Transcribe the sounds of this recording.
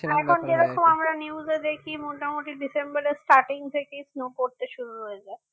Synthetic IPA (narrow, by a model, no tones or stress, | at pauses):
ɛkʰond͡ʑeɾɔkomamɾaniuzed̪ekʰimoʈamoʈiɖisembaɾesʈaʈiŋt̪ʰekesnokoɾt̪eʃuɾuɦoed͡ʑae